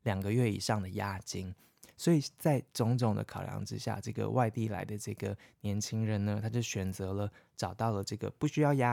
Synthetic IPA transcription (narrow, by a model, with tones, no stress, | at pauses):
ljɑ˨˩ŋɡə˦ɥɛ˥˩ḭ˨˩ʂɑ˥˩ŋd̪ə˩ja˥t͡ɕi˥ŋ | swɔ˧˥i˨˩t͡sa˥˩ɪʈ͡ʂʊ˧˥ŋʈ͡ʂʊ˨˩ŋd̪ə̰˦kʰɑ˨˩ʊljɑ̰˧˥ŋʈ͡ʂɻ̩˦˥ɕja̰˥˩ʈ͡ʂɤ˥˩ɡə̰˩wa˥˧ɪt̪i˥˩la̰˧˥ɪd̪ə˧ʈ͡ʂɤ˥˩ɡə̰˩njɛ˧˥nt͡ɕʰi˥ŋɻə˧˥nnə˧t̪ʰa˥t͡ɕjo˥˩ʊɕɥɛ˨˩nt͡sɤ˧˥lə˧ʈ͡ʂɑ˨˩ʊt̪ɑ˥˩ʊlə˩ʈ͡ʂɤ˥˩ɡə̰˩pu˥˩ɕy˥jɑ˥˧ʊja˦˥